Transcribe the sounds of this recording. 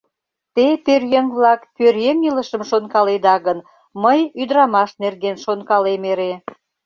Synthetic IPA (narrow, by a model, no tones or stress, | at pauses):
t̪eperjeŋβlɑkpørjeŋiləʃəmʃonkɑled̪ɑɣən | məjyd̪ɾɑmɑʃnerɣenʃonkɑlemeɾe